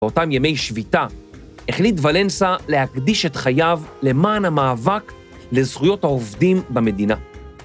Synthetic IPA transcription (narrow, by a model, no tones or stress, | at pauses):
o̞tamjame̞jʃvita | eχlitvale̞nsalehakdiʃetχajavle̞maːnamaːvak | le̞zχujo̞thaovdimbame̞dina